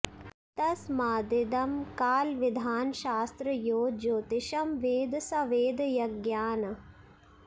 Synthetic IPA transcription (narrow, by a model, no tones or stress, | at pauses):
t̪ɐsmaːd̪ɪd̪ɐmkaːlʋɪd̪ʱaːnʃaːst̪ɾɐjoːd͡ʒoːt̪ɪʃɐmʋeːd̪sɐʋeːd̪jɐɡjaːnɐ